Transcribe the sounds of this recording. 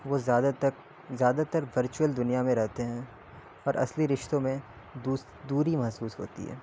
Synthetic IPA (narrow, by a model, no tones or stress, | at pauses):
ʋozaːd̪at̪ək | zjaːd̪at̪əɾʋɐɾt͡ʃuwəld̪ʊnijamẽɾɛɦt̪eɦɛ̃ | ɔːɾʔɐ̰sliɾɪʃt̪õmẽ | d̪u | d̪uːɾimɐɦsuːsɦo̰ːt̪ḭɦɛ̰ː